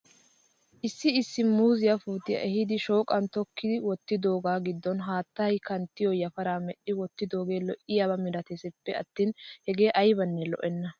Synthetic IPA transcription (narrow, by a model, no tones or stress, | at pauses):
ʔɪsːɪɪsːɪmuːzɪjɐfuːt̪ɪjɐ̰ʔɛɦɪd̪ɪʃo̞ːkʼɐnt̪ɔkːɪd̪ɪwɔt̪ːɪd̪o̞ːɡaːɡɪd̪ːɔnɦaːt̪ːɐjkɐnt̪ːɪjɔjɐfɐɾaːmɛɗːɪwɔt̪ːɪd̪o̞ːɡe̞ːlɔʔɪjaːbɐmɪd̪ɐt̪esɛpːɛɐt̪ːiːnhɛɡe̞ːʔɐjbɐnːɛlɔ̰ʔɛnːɐ